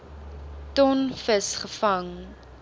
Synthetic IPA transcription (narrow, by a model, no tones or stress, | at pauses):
tɔnfəsχəfɐŋ